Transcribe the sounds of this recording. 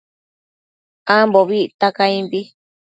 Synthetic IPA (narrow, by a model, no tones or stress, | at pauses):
amboβiʔt̪akaĩmbi